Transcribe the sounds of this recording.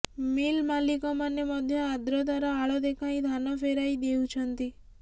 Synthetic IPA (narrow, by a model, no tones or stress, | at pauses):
milmalikɔmanemɔd̪ʱjɔad̪ɾɔd̪aɾaːɭɔd̪ekʰaĩd̪ʱanɔfeɾajd̪eut͡ʃʰɔnt̪i